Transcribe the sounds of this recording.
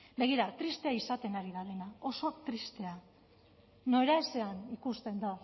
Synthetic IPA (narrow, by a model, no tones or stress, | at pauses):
be̞ɣ̞iɾat̪ɾist̪e̞aisat̪e̞naɾiðaðe̞nao̞so̞akt̪ɾist̪e̞a | no̞eɾaese̞anikust̪e̞nd̪o